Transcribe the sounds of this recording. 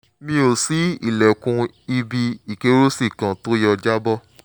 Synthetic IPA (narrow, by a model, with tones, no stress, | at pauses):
mĩ˦o˨si˨˦ḭ˦˨lɛ˨kũ˧ | i˧bi˧i˨ke˧˦ɾo˦si˦˨kã˨to˦jɔ˧d͡ʒa˦bɔ˦